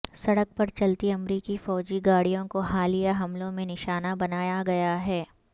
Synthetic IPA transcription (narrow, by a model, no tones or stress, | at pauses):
sɐɽək̚pɐɾt͡ʃɐlt̪iɐmɾiːkifɔːd͡ʒiɡaːɽijõkoɦaːlijaɦɐmlõmẽnɪʃaːnabɐnaːjaɡɐjaɦɛː